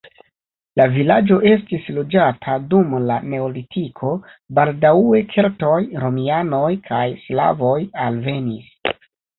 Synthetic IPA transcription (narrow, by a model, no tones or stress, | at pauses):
lavilad͡ʒo̞ʔe̞stislod͡ʒatʰadumlane̞olitʰikʰo̞ | baldaue̞kʰe̞lto̞jɾo̞miano̞jkʰajsla̰vo̞jalve̞nis